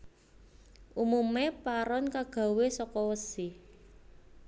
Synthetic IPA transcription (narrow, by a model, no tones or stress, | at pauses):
ʔumumepaɾɔnkaɡ̥a̤wesɔkɔwəsi